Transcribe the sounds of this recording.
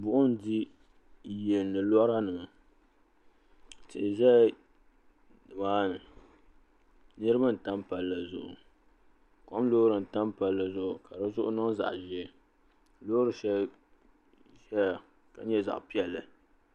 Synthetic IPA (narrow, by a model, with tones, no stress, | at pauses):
bʊ˨ʔʊ˦n˦di˦ | jɛ˨nːɨ˨lɔ˦ɾa˦nɨ˨ma˨ | tɪ˨ʔɪ˨ʒɛ˦˨ | dbaː˦nɨ˨ | nɨ˦ɾɨ˦ba˦n̩˨ta˦m˦pa˨lːa˨zʊ̰˨ʔʊ̰˨ | kɔ˦m˦loː˦ɾɨ˨n̩˨ta˦m˦pa˨lːa˨zʊ˦˨ʔʊ˨ka˨dɨ˦zʊ˦ʔʊ̰˦nɔ˦za̰˨ʔʒɪ˦ɛ˨ | loː˦ɾɨ˨ʃɛ˦ | ʒɛ˦ja˨ | ka˨ɲɛ˦za̰˨ʔpi˦ɛ˨lːɨ˨